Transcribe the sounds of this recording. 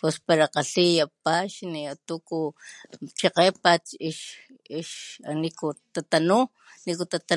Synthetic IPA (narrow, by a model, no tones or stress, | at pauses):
pespaɾaqaɬijapaʃniat̪uku | t͡ʃeqepat͡ʃiʃ | iʃanikut̪at̪anu | nikut̪at̪a